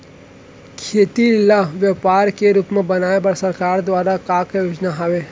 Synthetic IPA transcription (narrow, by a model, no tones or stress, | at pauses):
kʰeːt̪iləʋjəpaːɾkeɾuːpmẽbɐnaːebɐɾsɐɾkaːɾd̪ʋaːɾakaːkjoːd͡ʒnaɦaʋe